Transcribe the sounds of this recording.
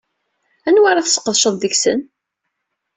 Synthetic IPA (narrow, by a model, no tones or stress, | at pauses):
ænwaɾˤaθsə̥qːəðˤʃəðˤðəçsən